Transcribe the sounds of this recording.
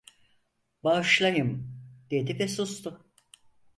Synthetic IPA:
baʃlˠajɯmɟ̥ed̪ipesust̪ʰʊ

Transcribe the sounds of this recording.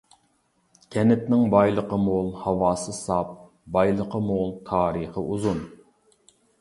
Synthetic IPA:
kʲʰɛnɪt̪nɪŋbɑjlˠəqəmolˠhɑwɑːsɨsɑp̚ | bɑjlˠəqəmolˠt̪ʰɑːɾɨχəʔuzun

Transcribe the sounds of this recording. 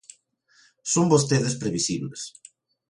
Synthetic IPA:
sombost̪eðɪspɾeβisiβles

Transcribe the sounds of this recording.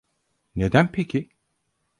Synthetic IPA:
ned̪ænpʰecʰi

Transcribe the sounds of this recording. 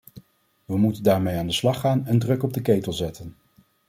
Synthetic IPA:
ʋəmutəndaːɹmejaːndəslɑχaːnɛndrɵkɔb̚dəkejtəlˠzɛtən

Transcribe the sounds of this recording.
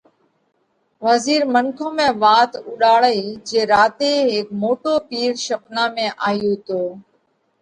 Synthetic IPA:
ʋəziːɾmənkʰõːmẽːʋaːt̪ʊɗaːɭeːd͡ʒeːɾaːt̪eːɦeːk̚moːʈoːpiːɾʃəpnaːmẽːʔaːjoːt̪oː

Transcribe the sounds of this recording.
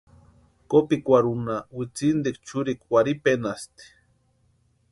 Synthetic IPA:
kopikʷaɾunawit͡sind̪ik̚t͡ʃuɾikwaɾipenast̪i̥

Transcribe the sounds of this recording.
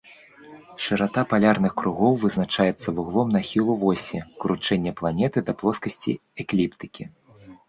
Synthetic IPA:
ʂɨɾat̪apalʲarnɨxkɾuɣɔwvɨznat͡ʂajɛt̪sːɐvuɣlˠɔmnɐxʲilˠuvɔsʲikɾut͡ʂɛnʲːɛplˠanʲɛt̪ɨd̪ɐplˠɔskɐsʲt͡sʲḭɛklʲipt̪ɨ̥kʲi

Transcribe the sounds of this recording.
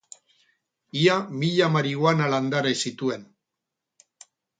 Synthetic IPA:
iamiʎamaɾiɣoanaland̪aɾajsit̪ue̞n

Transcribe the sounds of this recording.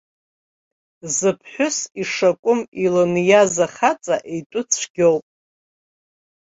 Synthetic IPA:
zɨpʰħʷᶣʊsiʂakʷʼʊmilonjazaχat͡sʼaʔejtʷʼʊt͡sʰɡʲowpʼ

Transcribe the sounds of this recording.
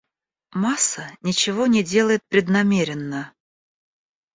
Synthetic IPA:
masənʲɪt͡ɕɪvonʲɪdʲelˠəjɪt̪̚pɾʲɪd̪nɐmʲeɾʲɪnːə

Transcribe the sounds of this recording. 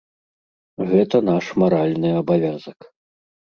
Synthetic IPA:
ɣɛt̪ɐnaʂmaɾalʲnɨɐbavʲazɐk

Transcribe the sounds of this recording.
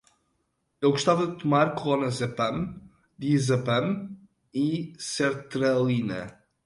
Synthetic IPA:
ewɣuʃt̪avɐd̪ɨt̪umaɾkulˠɔnɐzɐpɐ̃m | d̪izɐpɐ̃m | isɛɾt̪ɾɐlˠinɐ̰

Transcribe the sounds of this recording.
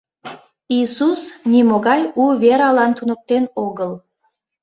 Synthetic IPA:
isusnimoɣɑjuβeɾɑlɑnt̪unək̚t̪enoɣəl

